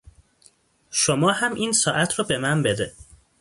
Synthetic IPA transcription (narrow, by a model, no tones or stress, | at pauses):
ʃomɒːhæmʔiːnsɒːʔæt̪ʰɾɒːbe̞mænbe̞d̪e